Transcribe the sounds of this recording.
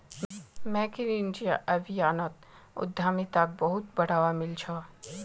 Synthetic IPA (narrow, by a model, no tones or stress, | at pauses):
mɛ̃ːkiɾind͡ʒijaʔɐbʱijaːnət̪ | ʊ̰d̪ʱːaːmit̪ak̚bɐɦʊt̪̚bɐɽ̤aːʋamɪlt͡ʃʰa